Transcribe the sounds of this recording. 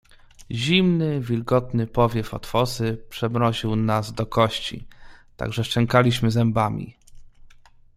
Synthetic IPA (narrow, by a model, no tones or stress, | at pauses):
ʑimnɘvʲilɡɔt̪nɘpɔvʲjɛfɔ̰t̪fɔsɘpʂɛbɾɔʑiwnazd̪ɔkɔɕt͡ɕḭt̪a̰ɡʐɛʂt͡ʂɛŋkalʲiɕmɘzɛmbamʲḭ